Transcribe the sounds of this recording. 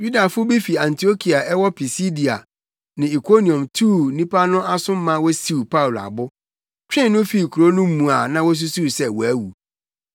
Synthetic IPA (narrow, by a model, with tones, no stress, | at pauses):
ju˦da˨fʊ˦bi˦fi˨ã˨ntʰi˨o˦kʰi˨a˨ʔɛ˦wɔ˦pʰi˨si˦di˨a̰˨ | nɪ̃˨i˨kʰo˦nĩ˨ɔ̃˨mtʰuː˦˨nĩ˦pʰa˦nʊ̃˦a˦sʊ̃˦m̩ː˦ã˦wɔ˦si˦u˨pʰa˦u˨la̰˨bʊ˦ | t͡ɕᶣɪ̃˦nʊ̃˦fi˦˨kʰu˨ɾo˦nʊ̃˦m̩˦mːũ˨a˨nã˦wɔ˦s̬u˦su˦ɾsɛ˦wɔ˨æ˦wṵ˨